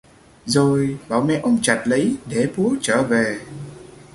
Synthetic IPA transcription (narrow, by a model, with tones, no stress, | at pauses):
zo˨˩jɓaː˨˩˦wmɛ˨˧˦ʔə˧˩ŋ͡mt͡ɕa˨˩t̚lə˨˦jɗe˧˩pu˨˦ət͡ɕəː˧˩ve˨˩